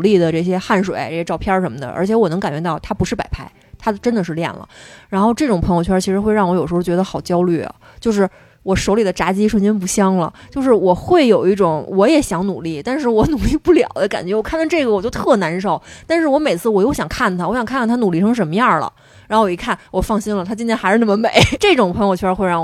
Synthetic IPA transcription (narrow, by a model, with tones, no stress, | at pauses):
li˥˩d̪ə˩ʈ͡ʂɤ˥˩ɕ̬jɛ˥xa˥˩nʂwḛ˨˩ɪ˦ʈ͡ʂɤ˥˩jɛ˥ʈ͡ʂɑ˥˧ʊpʰjɑ˥˧˥ʂə˧˥nmə˧d̪ə̰˨ʔə̰˞˧˥t͡ɕʰjɛ˧˥wɔ˨˩nɤ˧˥ŋka˨˩nt͡ɕɥɛ˧˥t̪ɑ˥˩ʊt̪ʰa˥pu˧˥ʂɻ̩˥˩pa̰˨˩ɪpʰa˥ɪ | t̪ʰa˥ʈ͡ʂə˥nd̪ə˨ʂɻ̩˥˧ljɛ̰˥˩nlə̰˩ɻa˧˥nxo˥˧ʊʈ͡ʂɤ˥˩ʈ͡ʂʊ˨˩ŋpʰɤ˧˥jo˧t͡ɕʰɥt͡ɕʰi˧˥ʂɻ̩˧˥xwe˧ɻɑ˥˩ŋwɔ˧˥jo˨˩ʊʂ̩ɻo˥˩t͡ɕɥɛ˧˥d̪ə˧xɑ˨˩ʊt͡ɕjɑ˥ʊly˥˩ɐ̰˩ | t͡ɕjo˥˧ʊʂɻ̩˥˩ | wɔ˨˩ʂo˧˥ʊli˨˩d̪ə˦ʈ͡ʂa˧˥t͡ɕi˥ʂwə˥˧nt͡ɕjɛ˥np̬u˧˥ɕjɑ˥ŋlə̰˨t͡ɕjo˥˧ʊʂɻ̩˥˩wɔ˨˩xwe˥˩ɪjo˨˩ʊi˥˩ʈ͡ʂʊ˨˩˦ŋwɔ˧˥jɛ˨˧˩ɕjɑ˧˥ŋnu˨˩li˥˩t̪a˥˧nʂ̬ɻ̩˥˩wɔ˧˥nu˨˩li˥˧pu˥˩ljɑ̰˨˩˦ʊd̪ə˦ka̰˨˩nt͡ɕɥɛ˧˥wɔ˨˩kʰnɑ˧ʈ͡ʂɤ˥˩ɡə˩wɔ˨˩t͡ɕjo˥˧ʊt̪ʰɤ˥˩na˧˥nʂo˥˩ʊt̪a˥˧nʂɻ̩˥˩wɔ˧˥me˨˩ɪt͡sʰɹ̩˥˩wɔ˨˩jo˥˩ʊɕjɑ˨˩ŋkʰa˥˩nt̪ʰa˥wɕjɑ˨˩ŋkʰa˥˧nkʰt̪ʰnu˨˩li˥˩ʈ͡ʂʰŋ̩˥ʂə˧˥nmə˧jɑ˥˩lə̰˩ | ɻa˧˥nxo˥˧˩i˧˥kʰa˥˩nwɔ˨˩fɑ˥˩ŋɕi˥nlə˨t̪ʰa˥t͡ɕi˥nt̪ʰjɛ˥nxa˧˥ɻ̩˥˧nə˩mə˧me˨˦ɪʈ͡ʂɤ˥˩ʈ͡ʂʊ˨˩ŋpʰŋjo˧ʊt͡ɕʰɥxwɪɻɑ˥˩ŋ